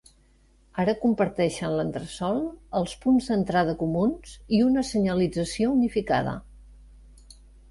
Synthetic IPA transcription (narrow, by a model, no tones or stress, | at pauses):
aɾəkumpəɾt̪ɛʃənlənt̪ɾəsɔlˠəlˠspunzd̪ənt̪ɾað̞əkumunz̥iunəsəɲəlid͡zəsiounifika̰ðə̰